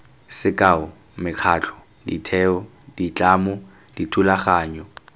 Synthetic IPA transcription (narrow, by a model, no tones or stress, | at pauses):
sɪkʼaʊ | mɪk͡xʰaːt͡ɬʰɔ̥ | ditʰɛːɔ | dit͡ɬʼaːmʊ | d̥itʰulaχaːɲɔ